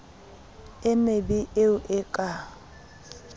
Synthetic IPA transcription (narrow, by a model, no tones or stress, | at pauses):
ɪmebiʔeʊʔɪkʼa